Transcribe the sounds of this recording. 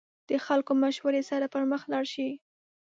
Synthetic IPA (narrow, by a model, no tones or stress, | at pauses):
d̪̥əxalkomaʃwaɾesaɾapəɾməxlɑɽʃi